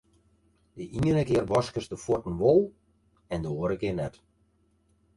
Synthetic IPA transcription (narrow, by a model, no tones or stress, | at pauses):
dəʔiənəkɪərʋɔskəsdəfotən̩ʋolˠ | ɛndəoəɾəkɪnɛt